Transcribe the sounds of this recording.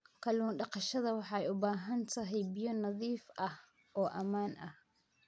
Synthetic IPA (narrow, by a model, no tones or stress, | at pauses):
kʰɐluːnɖɑqɑʃɐðɐwɑħɑjʊbaːɦɐnt̪ʰɐɦɛjbɪjɔnɐðiːfɐh | ʔɔːʔɐmaːnʔɐh